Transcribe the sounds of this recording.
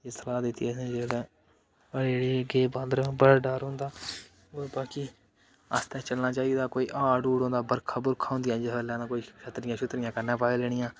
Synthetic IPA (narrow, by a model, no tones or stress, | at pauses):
eːsəlaːd̪ɪt̪ːiɛːsẽːd͡ʒeːɽɛ̃ː | əɽeːɽeːɡeːbãːnd̪ɾbəɽaɖaːɾɦõːnd̪aː | oːɾbaːkiː | əst̪ɛ̃ːt͡ʃəlnaːt͡ʃaːiːd̪aːkoːiːʔaːɖuːɽõːnd̪aːbəɾkʰaːbʊɾkʰaːõːnd̪ɪjãːd͡ʒəɦəlɛ̃ːnãːkoːiʃʰət̪ɾɪjãːʃʰʊt̪ɾɪjãːkəɾnãːpaːilɛːɽ̃ɪjãː